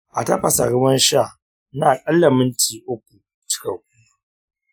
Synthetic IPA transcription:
ʔa˨tɐ˦ɸɐ˨sa˨ɽʊ˦wɐ˦nʃa˦˨ | naː˨kʼɐ˦lːɐ˨mɪ˦ntʰiː˨ʔʊ˦k̚ʷːu˨ | t͡ʃɪ̥˦kɐ˨kʷuː˦

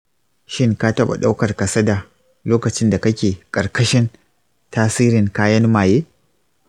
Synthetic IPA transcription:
ʃɪ˦ŋka˦tɐ˦ɓa̰˨ɗa˦wkɐ˨rkɐ˨sɐ˦da˨ | loː˦kɐ˨t͡ʃɪ˦nda˨kɐ˦kʲeː˨kʼɐ˨ɾkɐ˦ʃɪ˦n | taː˦siː˦ɾɪ˨ŋkaː˦jɐ˦nmaː˨jeː˦

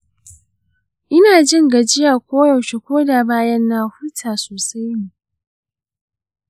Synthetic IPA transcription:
ʔɪ˦naː˨d͡ʒɪ˦ŋɡa˨d͡ʒɪ˦jaː˨kʷoː˦jɐ˨wʃe˨kʷoː˦daː˨baː˦jɐ˦nːaː˨hʊ˦tʰaː˨soː˨sa˦jni˨

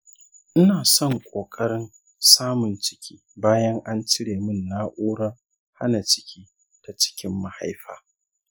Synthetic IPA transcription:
ʔɪ˦naː˨sɔ˦˨ŋkʷʼoː˨kʼɐ˦ɽɪ˦n | saː˦mʊ˨nt͡ʃɪ̥˦kʲiː˦baː˦jɐ˦ŋʔa˦nt͡ʃɪ˦ɽeː˨mɪ˦nːaː˦ʔuː˦ɽɐ˦r | ha̰˦na˨t͡ʃɪ̥˦kʲʰiː˦ | d̥a˨t͡ʃɪ̥˦kʲɪ˦mːa˨ha˦jɸa̰ː˦

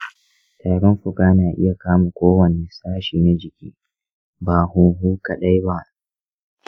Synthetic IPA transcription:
taː˨ɽɔ˦mɸʊ˨kaː˦naː˨ʔɪ̰˦ja˨kaː˦ma˨kʷoː˦wɐ˨ne˨saː˦ʃiː˨na˦d͡ʒɪ˨kʲḭː˦ | baː˨hʊ˨ŋɦuː˦ka˨ɗa˦jba˦ʔ

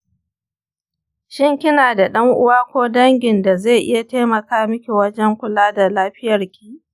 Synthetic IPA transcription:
ʃɪ˦ŋkʲɪ˦naː˨da˨ɗɐ˦ŋʔʊ˦waː˦kʷoː˦dɐ˦ŋɡʲɪ˨nda˨ze˦˨ʔɪ˦ja˨teː˦mɐ˨kaː˦mɪ˦kʲe˨wɐ˦d͡ʒɛ˦ŋkʷʊ˨laː˦da˨laː˦ɸɪ˦jɐ˨rkʲi̥ː˦˨ʔ

